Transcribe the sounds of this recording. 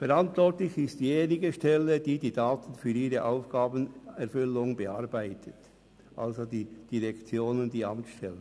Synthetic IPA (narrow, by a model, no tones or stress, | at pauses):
fɛʁɑntvɔɾtlɪçɪstjeːnɪɡəʃtɛlːəd̥iːdiːdaːt̪ən̩fyːɾiːɾəʔaʊfɡ̥aːbənɛɾfʏlːʊŋbəɑɾbæɪtʰət | ʔɑ̰lzodiːd̥iʁɛkt͡sjoːnəndiːɑmtʃtɛlːə